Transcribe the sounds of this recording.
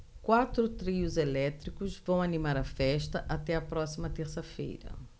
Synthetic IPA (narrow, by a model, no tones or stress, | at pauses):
kwat̪ɾʊt̪ɾiʊzelɛt̪ɾikʊzvɐ̃w̃ɐnimaɾɐfɛʃt̪ɐʔat̪ɛɐpɾɔsimɐt̪eɾsɐfḛjɾɐ̰